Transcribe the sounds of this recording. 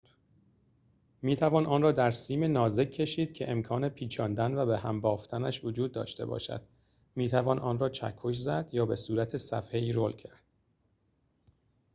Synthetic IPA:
miːt̪ʰævɒːnʔɒːnrɒːd̪æɾsiːmenɒːze̞kʰːe̞ʃiːd̪̥cʰe̞ʔemkʰɒːne̞pʰiːt͡ʃʰɒːnd̪ænvæbehæmbɒːft̪ʰænæʃvod͡ʒuːd̪ːɒ̰ːʃt̪e̞̰bɒ̰ːʃæ̰d̪̥ | miːt̪ʰævɒːnʔɒːnrɒːt͡ʃʰæ̰kʰːoʃ̬zæd̪̥jɒːbe̞suːɾæt̪ʰe̞sæ̰fe̞iːɾoːlcʰæɾd̪̥

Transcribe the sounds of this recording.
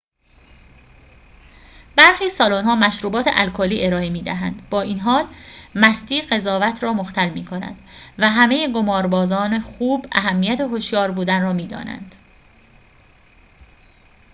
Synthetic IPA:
b̥æɾxiːsɒːloːnɦɒːmæʃɾuːbɒːt̪ʰḛʔælkʰoːliːʔe̞ɾɒːemiːd̪æɦæ̰nd̪̥bɒːʔinɦɒːlmæst̪iːɢe̞zɒːvæt̪ʰɾɒːmoxt̪ʰælmiːkʰo̞næ̰d̪̥væɦæmejeɡo̞mɒːɾbɒːzɒːnexuːbæ̰ɦæmːijæt̪ʰe̞ɦoʃjɒːɾbuːd̪ænrɒːmiːd̪ɒ̰ːnæ̰nd̪̥

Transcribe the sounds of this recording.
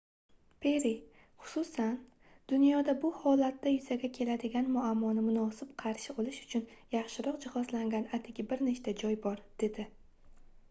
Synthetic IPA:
pʰe̞ɾi | χʊ̥sʊsan | d̪̥ʊnjɒd̪abʊhɒlat̪ːajʊzaɡʲakʲʰe̞lad̪ɪɡʲanmʊamːɒnɪmʊnɒsɪbqʰɑɾʃɪbolɪʃʊ̥t͡ʃʰʊnjɑχʃɪɾɒqd͡ʒɪhɒzlaŋɡʲanat̪ʰɪɡʲɪbɪɾneʃt̪ad͡ʒɒjbɒɾd̪̥e̞d̪ɪ

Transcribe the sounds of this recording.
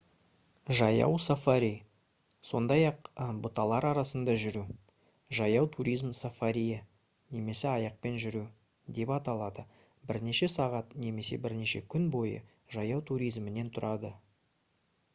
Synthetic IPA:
ʒɑjɑ̰wsofaɾʲij | so̞̰nd̪ɑjɑqbʊt̪ɑlˠɑɾɑɾɑsənd̪ɑʒʏɾu | ʒɑjɑwt̪ʰuɾijzmsofaɾʲijə | ne̞me̞sɪɑjɑq̚pe̞nʒʏɾu | d̪e̞pɑt̪ɑlˠɑd̪ə | bɪɾne̞ʃe̞sɑʁɑt̪ne̞me̞se̞̰bɪɾne̞ʃe̞kʲʰʏnbo̞jə̰ | ʒɑjɑwt̪ʰuɾijzmɪne̞nt̪ʰʊɾʔɑd̪ə

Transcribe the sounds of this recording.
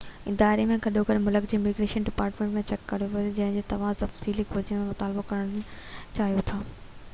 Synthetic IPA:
ɪd̪aːɾemẽɡɐɗokɐɾmʊləkd͡ʑimɪɡɾeːʃənɖɪpaːɾʈmẽːɳʈmẽt͡ɕɛkːɐɾijoʋɐod͡ʑɐ̃ɦɪ̃ɲd͡ʑeːt̪ɐʋ̤ãt̪ɐfziːlikʊɾd͡ʑəmẽmʊt̪aːlbokɐɾəɽ̃t͡ɕaːɦijot̪ʰaː

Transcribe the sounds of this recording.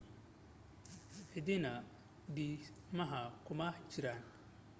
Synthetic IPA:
ʕɪdɪnɐ | biːmɐɦɐkʰʊmɐt͡ʃɪɾan

